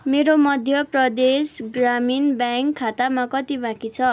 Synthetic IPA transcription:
meɾomʌd̪ʱjʌprʌd̪esɡraminbaŋkʰːat̪amakʌt̪ibãkit͡sʰʌ

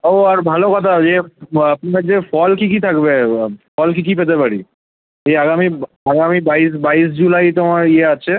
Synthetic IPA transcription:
oaɾbʱalokɔt̪ʰad͡ʒeapniad͡ʑefɔlkikit̪ʰakbepʰɔlk̬ikipet̪̬epaɽḭ | eaɡami | aɡamibais̬bais̬d͡ʑulajt̪omaɾieat͡ʃʰe

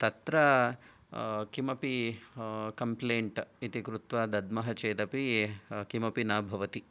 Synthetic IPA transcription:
t̪ɐt̪ɾɐ | kimɐpi | kɐmpleːɳʈit̪ikɾut̪ʋaːd̪ɐd̪mɐɦɐt͡ʃeːt̪ɐpikimɐpinaːbʱɐʋɐt̪i

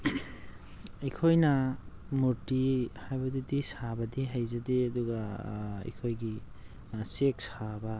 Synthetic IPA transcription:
ikʰojnɐ | muɾtihajbɐdidisabɐdiɦajzɐdeɐduɡɐḭkʰojɡi | sek̚sabɐ

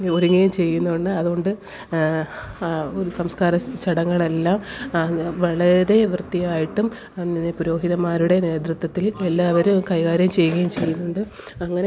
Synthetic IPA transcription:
o̞ɾuŋːɐjumt͡ɕe̞jːunːuuɳɖɨɐðuɣo̞ɳɖɨ | oɾusɐmskaːɾɐt͡ɕɐɽɐŋːɐɭe̞lːaːm | ʋɐɭɐɾe̞ʋrt̪ːijaːjiʈːum | ninːepuɾo̞ːɦiðɐmaːɾuɽe̞ne̞ːd̪rut̪wɐt̪ːile̞lːaːʋɐɾukɐjɣaːɾjɐmt͡ɕe̞jːuɣɐjumt͡ɕe̞jːunːuɳɖɨ | ɐŋːɐne

